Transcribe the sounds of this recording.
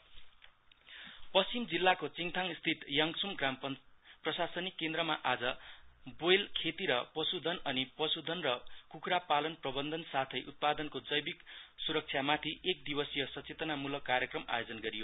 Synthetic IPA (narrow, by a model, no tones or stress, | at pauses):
pʌst͡simd͡zilːakot͡siŋt̪ʰaŋst̪ʰit̪jʌŋsumɡramʌprʌsasʌnikːend̪ɾʌmaʔad͡zʌbojlkʰet̪iɾʌpʌsud̪ʱʌnʌnipʌsud̪ʱʌnrʌkukɾapalʌnprʌbʌnd̪ʱʌnsat̪ʰʌjʔut̪̚pad̪ʌnkod͡zʌjbiksuɾʌk̚t͡sʰjamat̪ʰiʔek̚d̪ibʌsijʌsʌt͡set̪ʌnamulʌkarjʌkrʌma̰jod͡zʌnɡʌɾijo